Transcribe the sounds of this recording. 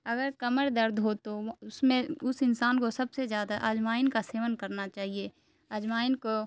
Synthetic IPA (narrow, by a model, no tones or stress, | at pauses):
ɐɡəɾkɐməɽd̪əɾd̪ʱɦot̪oʊsmẽʊsɪnsaːnkosɐbsezjaːd̪aʔəd͡ʒmaːɪnkaseːʋənkɐɾnat͡ʃaːɦie | əd͡ʒmaːɪnko